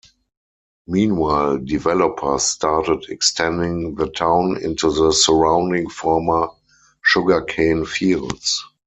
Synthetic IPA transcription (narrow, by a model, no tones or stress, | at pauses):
mĩːnwaɪldivɛlɔpʰə˞staːtədɛkstʰɛ̃ndɪ̃ŋðətʰãʊ̃nɪ̰̃ntuðəsəɹãʊ̃ndɪ̃ŋfɔːmə | ʃʊɡə˞kʰẽɪ̃nfiːlds